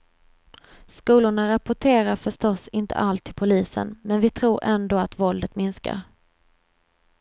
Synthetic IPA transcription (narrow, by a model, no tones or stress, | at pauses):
skuːlʊɳaɾapʊʈʰeːɾaɾfœʂʈɔsɪnt̪ʰə̰ʔalt̪ʰːɪlpʰʊliːsə̰nmɛnvɪt̪ʰɾuːɾʔɛnd̪oːat̪vɔld̪ət̪mɪnska̰ɾ